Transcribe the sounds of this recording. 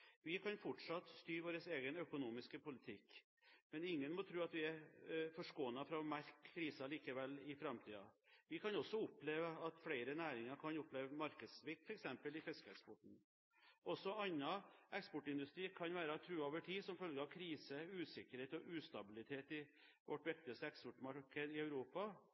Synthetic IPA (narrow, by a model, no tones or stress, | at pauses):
ʋɪkʰɑnfɔʈʂɑt̪ːst̪yːɾʋoːɾəseːɡənœkʊnuːmɪskəpʊlɪt̪ʰɪkː | mɛnɪŋːənmɔt̪ʰɾʉːɑt̪ʋɪæɾfɔʂkoːənəfɾɑmæɾkʰːɾiːsəliːkəʋɛlːɪfɾɑmt̪ʰḭːɑ̰ʋɪkʰɑnɔsːɔʊpleːʋəɑt̪flæɪɾənæːɾɪŋɑɾkʰɑnʊpleːʋəmɑɾkəd̪sʋɪk̚t̪fʰɔɾɛksɛmpəlɪfɛskəɛkspɔʈɳ̩ | ʔɔsɔɑnːɑɛkspɔʈːɪnd̪ʉst̪ɾiːkʰɑnʋæːɾəɑt̪ʰɾʉːoːʋəʈʰiːsɔmfœlɡəɾɑʋkʰɾiːsəʉːsɪkəɾheːt̪ɔʔʉːst̪ɑbɪlɪt̪ʰeːt̪ɪ | ʋʔɔʈːʋɪk̚t̪ɪɑst̪əɛkspɔʈmɑɾkəd̪ɪœʉɾuːpɑ